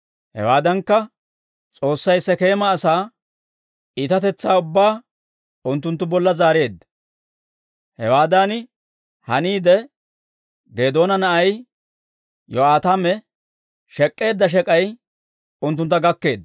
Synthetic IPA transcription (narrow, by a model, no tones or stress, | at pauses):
hɛ̰waːd̪ɐŋkːɐ | t͡sʼo̞ːsːɐjsːɛke̞ːmɐːsaː | iːt̪ɐt̪ɛt͡sːaːʊbːaː | ʊnt̪ːʊnt̪̬ːʊbɔlːɐzaːɾe̞ːd̪ | hɛwaːd̪an | hɐniːd̪ɛ | ɡeːd̪o̞ːnɐnɐʔɐj | jɔaːt̪amɛ | ʃɛkʼːe̞ːd̪ːɐʃ̬ɛkʼɐj | ʊnt̪̬ːʊnt̪ːɐɡɐkːe̞ːd̪